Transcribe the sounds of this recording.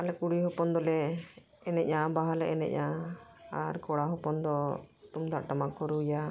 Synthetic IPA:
alɛkuɽiɦɔpɔnd̪ɔlɛː | nɛʔ̚ɲabaɦalɛʔɛ̰nɛ̰ʔ̚ɲa | aɾkɔɽaɦɔpɔnd̪ɔt̪umd̪aʔʈamakɔɾuja

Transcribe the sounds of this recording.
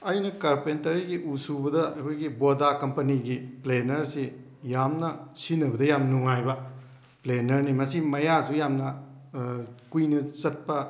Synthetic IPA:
ɐjnɐkaɾpentɐɾiɡiʔusubɐdɐɐ̰kʰojɡibodakɐmpɐniɡiplenɐɾsi | jamnɐsinɐbɐdɐjamnnuŋajbɐ | plenɐɾnimɐsimɐjasujamnɐ | kujnɐsɐt̚pɐ

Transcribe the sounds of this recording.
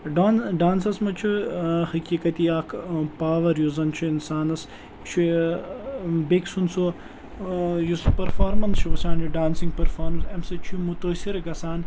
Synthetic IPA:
ɖaːnɖaːnsɐsmɐt͡ʃʰuhɐkiːkɐt̪iaːkʰpaːʋɐɾjuzɐnt͡ʃʰuinsaːnɐs | t͡ʃʰu | beksunso | juspɐɾfaːɾmɐnst͡ʃʰuʋɐsʲaːnjuɖaːnsiŋɡ̚pɐɾfaːɾmɐsɐmsɐt͡ʃʰumut̪ɐsiɾɡɐsaːn

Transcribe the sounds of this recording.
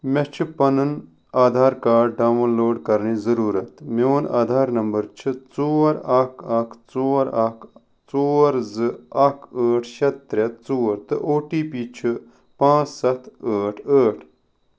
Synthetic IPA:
met͡ʃʰɨpɐnɨn | aːd̪ʱaːɾkaːɖɖaːʋnloːɖkɐɾniːzɐɾuːɾɐt̪meona̰ːd̪ʱaːɾnɐmbɐɾt͡ʃʰɨt͡soːɾɐkʰɐkʰt͡soːɾɐkʰ | t͡soːɾzɨɐkʰəːʈʰʃɐt̪ːɾɐt̪t͡soːɾt̪ɨʔoːʈiːpiːt͡ʃʰɨ | pãːt͡ssɐt̪ʰəːʈʰəːʈʰ

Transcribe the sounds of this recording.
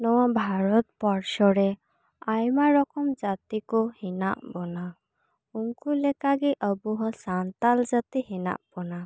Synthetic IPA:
nɔwabʱaɾɔt̪̚pɔɾsɔɾɛ | ajmaɾɔkɔmd͡ʒat̪ikɔhina̰ʔbɔna | uŋkulɛkaɡiʔəbuɦɔ̃sant̪ald͡ʒat̪ihina̰ʔb̥ɔna

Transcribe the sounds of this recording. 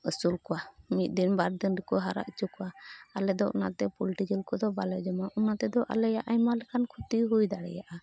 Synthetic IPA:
əsulkɔwamit̪̚ˀd̪inbaɾd̪inɾikɔɦaɾa̰ʔt͡ʃukɔwaalɛd̪ɔʔɔ̰na̰t̪ɛpɔlʈid͡ʒəlkɔd̪ɔbalɛd͡ʒɔmaʔunat̪ɛd̪ɔʔa̰lɛjaʔajmalɛkankʰut̪iɦujd̪aɽɛ̰jaʔa

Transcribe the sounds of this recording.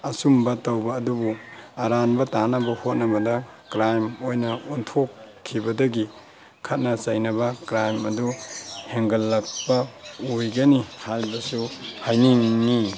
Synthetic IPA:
ɐsumbɐtɐwbɐːdubuɐɾanbɐtanɐbɐhot̚nɐbɐdɐ | kɾajmojnɐuntʰokʰː | ibɐdɐɡi | kʰɐt̚nɐsɐjnɐbɐkɾajmɐduheŋɡɐlːɐk̚pɐojɡɐnihalbɐsuhajniŋni

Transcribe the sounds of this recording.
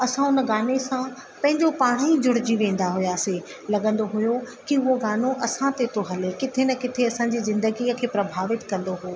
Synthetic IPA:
ɐsãʊnəɡaːnesã | pɐ̃ɦɪ̃ɲd͡ʑopaːɽ̃id͡ʑʊɽ̤ɪd͡ʑiʋẽːn̆d̪aɦʊjaːse | lɐɡə̃nd̪oɦʊjo | kiʊɦoɡaːnoʔɐsãt̪et̪oɦɐlekɪt̪ʰenɐkɪt̪ʰeɐsãd͡ʑizɪ̃nd̪əɡiəkʰeːpɾɐbʱaːʋɪt̪kɐ̃nd̪oɦoː

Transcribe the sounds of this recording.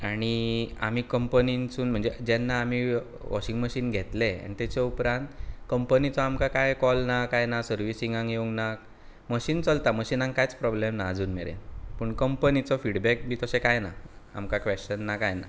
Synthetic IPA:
aɽ̃ia̰m̤iːkəmpənint͡suːnm̤əɳd͡zed͡ʑɛnːaːm̤i | ʋʔɔ̰ɕiŋɡməɕiːnɡʱet̪lea̰ñit̪ɛt͡ɕeupɾãnt̪kəmpənit͡sɔamkakajkɔlnakajnasəɾʋisĩŋɡãŋjeuŋɡna | məɕiːnt͡səlt̪aməɕinãŋkkajt͡spɾɔblemnaːd͡zuːnmeɾḛnpəɳkəmpənit͡sɔfiɽbɛk̚bʱiːt̪əsekajnaa̰mkakʋeɕt͡ɕənːakajna̰

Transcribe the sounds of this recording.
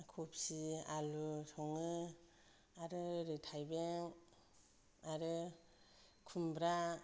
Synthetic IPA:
kʰup̚sialusʰɔŋɯ | aɾɯɾɯtʰajbeŋ | aɾɯ | kʰumbɾa

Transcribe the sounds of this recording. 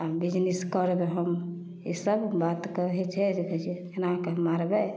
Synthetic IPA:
abid͡ʒneskəɾbeɦəm | isəbbat̪kəɦɛt͡ʃʰɛd͡ʒekəd͡ʒeenakemaɾbɛ

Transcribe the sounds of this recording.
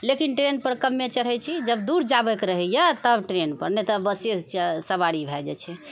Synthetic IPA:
lekinʈɾenpəɾkəmːet͡ʃəɽɦɛt͡ʃʰid͡ʒəbd̪uɾd͡ʒabəkɾəɦɛjət̪əbʈɾenpəɾnɛt̪əbəsest͡ʃsəbaɽibʱɛd͡ʒɛ̰t͡ʃʰɛ

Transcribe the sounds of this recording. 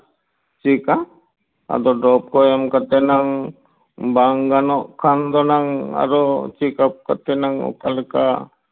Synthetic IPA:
t͡ʃika | a̰d̪ɔɖɾɔp̚kɔjamkat̪ɛnaŋ | baŋɡanɔʔkʰand̪ɔnaŋa̰ɾɔt͡ʃikap̚kat̪ɛnaŋɔ̰kalka̰

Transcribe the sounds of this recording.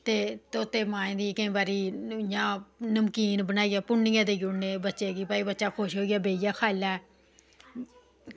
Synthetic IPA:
t̪eːt̪ot̪ːeːmãːẽːd̪iːkəĩːbaːɾiːjãːnəmkiːnbənaːiːaːpʊɳːɪjãːd̪eːɡʊɽneːbətːʃeːɡiːpaːiːbətːʃaːkʰoʃɦoːiɡaːbeːɪjaːkʰaːlaː

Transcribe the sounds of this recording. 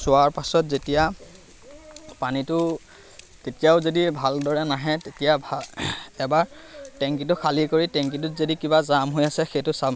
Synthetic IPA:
sʊaɹpasɔtzetija | panitʊ | tetijaʊzodibʱaldɔɹɛnaɦɛtetijabʱaɛbaɹtɛŋk̬it̬ʊkʰalikoɹitɛŋkit̬ʊzodikibazamɦojasɛxejtʊsam

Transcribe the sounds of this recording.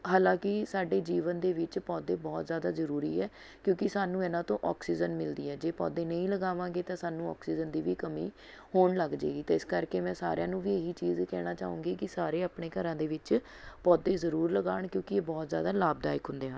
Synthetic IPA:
ɦaːlãːkɪsaːɖeːd͡ʒiːʋənd̪eːʋɪt͡ʃpɔːd̪eːbɔːt̪zjaːd̪aːzəɾuːɾḭːɛː | kjõːkɪsaːnũːeːnãːt̪õːʔɔːksiːd͡ʒənmɪld̪iːɛːd͡ʒeːpɔ̰ːd̪eːnəĩːləɡaːʋãːŋɡeːt̪ãːsaːnũːɔ̰ːksiːd͡ʒənd̪iːʋiːkəmiː | hoːnləɡd͡ʒḛːɡiːt̪aːɪskəɾkeːmɛ̃ːsa̰ːɾɪjãːnũːʋiːeɦiːt͡ʃiːzkɛːɽ̃aːt͡ʃaːṵ̃ːŋɡiːkɪsaːɾeːaːpɳeːkəɾãːd̪eːʋɪt͡ʃ | pɔːd̪eːzəɾuːɾləɡaːɳkjõːkɪeːbɔːt̪zjaːd̪aːlaːb̚d̪aːɪkɦʊ̃nd̪eːɦən

